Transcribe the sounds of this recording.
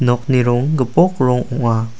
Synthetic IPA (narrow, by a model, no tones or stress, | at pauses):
nɔk̚niɾʊŋɡəpɔk̚ɾʊŋuʔa